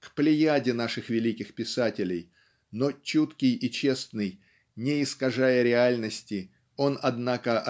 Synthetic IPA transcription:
kplʲɪjadʲɪnaʂɨxvʲɪlʲikʲɪxpʲɪsatʲɪlʲɪj | not͡ɕut̪kʲɪjɪt͡ɕe̞snɨj | nʲɪɪskɐʐajəɾʲɪalʲnəsʲtʲɪ | o̞nɐd̪nakəʔɐ

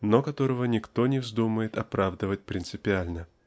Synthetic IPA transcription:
nokɐt̪o̞ɾəvənʲɪkt̪o̞nʲɪvzd̪uməjɪt̪ɐpɾavd̪əvət̚ʲpɾʲɪnt̪sɨpʲɪalʲnə

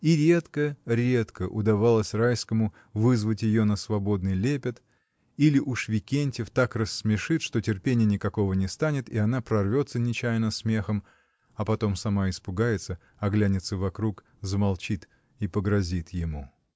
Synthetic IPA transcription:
iɾʲe̞t̪kəɾʲe̞t̪kəʔʊd̪ɐvalˠəsʲrajskəmʊ | vɨzvətʲjɪjonəsvɐbo̞d̪nɨjlʲepʲɪt̪ | ilʲɪʔuʂvʲɪkʲenʲtʲɪft̪akrəsːmʲɪʂɨt̪ʂt̪o̞tʲɪrpʲenʲɪjənʲɪkɐko̞vənʲɪst̪anʲɪt̪iɐnapɾɐrvʲo̞t̪sənʲɪt͡ɕæjnəsmʲe̞xəm | ɐpɐt̪o̞msɐmaɪspʊɡajɪt̪sə | ɐɡlʲænʲɪt̪səvɐkɾuk | zəmɐlˠt͡ɕit̪ | ipəɡɾɐzʲit̪jɪmu

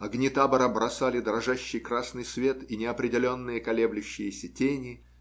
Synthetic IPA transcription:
ɐɡnʲɪt̪abəɾəbɾɐsalʲɪd̪ɾɐʐaɕːɪjkɾasnɨjsvʲe̞t̪inʲɪɐpɾʲɪdʲɪlʲo̞nːɨjəkɐlʲeblʲʊɕːɪjəsʲətʲenʲɪ

